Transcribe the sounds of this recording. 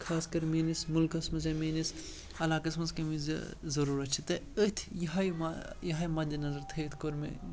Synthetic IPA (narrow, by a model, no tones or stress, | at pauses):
kʰaːskɐɾmeːnismʊlkɐsmɐzɐmeːnis | ɐlaːkɐsmɐzkɐmiz̰zɐɾuːɾɐt͡ʃʰit̪ɐət̪ʰjɐɦɐjmajɐɦajmɐd̪inɐzɐɾt̪ʰɐt̪ʰkoɾmḛ